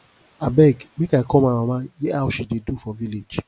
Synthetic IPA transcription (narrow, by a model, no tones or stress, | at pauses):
abɛɡmekajkʰɔ̃mawãmãjɛawʃidedufɔviled͡ʒ